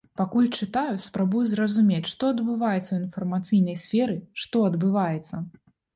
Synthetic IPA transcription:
pakulʲt͡ʂɨt̪ajuspɾabujuzrɐzumʲet͡sʲʂt̪ɔɐd̪bɨvajɛt̪sːɐwinfɐrmat̪sɨjnɐjsʲfʲɛɾɨʂt̪ɔɐd̪bɨvajɛt̪sːɐ

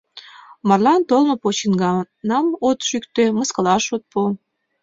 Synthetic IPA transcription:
mɑrlɑnt̪olmopot͡ɕinɡɑ | nɑmot̪ʃykt̪ø̆mɤskɤ̆lɑʃot̪̚po

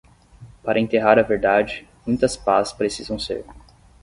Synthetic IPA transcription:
paɾʔɐẽnt̪eɦaɾɐveɾd̪ad͡ʒɪmũj̃t̪ɐspazɪ̥spɾesizɐ̃w̃sḛɾ

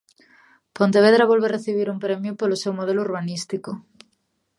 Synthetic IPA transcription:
pont̪eβeðɾaβolβereθiβ̞iɾuŋpɾemjʊpolʊsewmoð̞elʊuɾβanist̪ikʊ

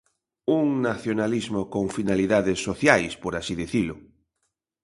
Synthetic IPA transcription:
uŋnaθjonalizmokoŋfinaliðaðɪsːoθjajspoɾasiðiθilʊ

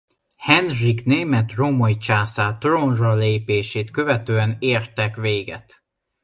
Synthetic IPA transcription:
hɛnrikneːmɛt̪romojt͡ʃaːsaːt̪ronrɒleːpeːʃeːt̪kø̞vɛt̪øːɛneːrt̪ɛkʋeːɡɛ̰t̪

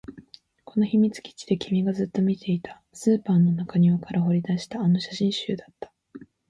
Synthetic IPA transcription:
ko̞no̞çimʲit͡sɨ̥kʲi̥t͡ɕi̥d̪e̞kʲʰimʲiɡazɨt̪ːo̞mʲit̪ʰe̞it̪ʰḁ | sɨːpaːnːo̞nakaɲ̟io̞kaɾaɦo̞ɾʲid̪aɕi̥t̪aːno̞ɕaɕĩɰ̃ɕɨ̰ːd̪at̪ːḁ

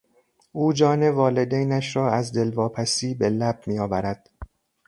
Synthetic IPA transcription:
ʔuːd͡ʒɒːne̞vɒːle̞d̪ejnæʃɾɒːæzd̪e̞lvɒːpʰæsiːbe̞læb̚miːɒːvæɾæd̪̥

